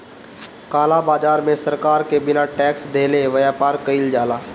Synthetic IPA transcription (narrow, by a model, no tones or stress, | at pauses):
kaːlabaːd͡ʒaːɾmẽsɐɾkaːɾkebɪnaʈɛːksd̪ʱeːleʋəjaːpaːɾkəɪld͡ʒaːlaː